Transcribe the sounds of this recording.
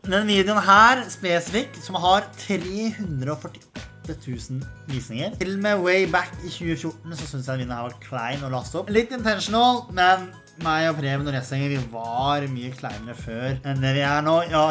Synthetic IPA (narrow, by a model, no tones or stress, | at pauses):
d̪ɛnʋiːd̪ɪʊnɦæːɾspɛsɪfɪkːsɔmɦɑɾt̪ʰɾeːhʉnd̪ɾəɔfœʈːɪɔt̪ːət̪ʰʉːsn̩ʋiːsnɪŋəɾɪlːɔmɛweɪbækːɪçʉːəfjʊʈːɳ̩sɔsʏnsjæɪt̪ʋiːnəhɑɾʋɑʈkʰlæɪnɔlɑst̪ɔpːlɪt̪ːɪnt̪ʰɛnʂnəlmɛn | mæɪɔpʰɾeːʋɛnɔɾjæɪsɛŋːəʋɪʋɑɾmyːəkʰlæ̰ɪnəɾəføːɾɛnd̪ɛʋɪæɳoːjɑː